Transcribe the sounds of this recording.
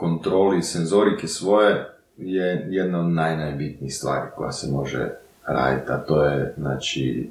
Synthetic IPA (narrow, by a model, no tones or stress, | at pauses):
kont̪ɾo̞ːlisenzo̞ɾikesʋo̞je | jejed̪naod̪najnajbit̪niixst̪ʋa̰ːɾiko̞̰ja̰semo̞ʒḛ | ɾa̰ːd̪ḭt̪at̪o̞ːjeznaːt͡ʃḭ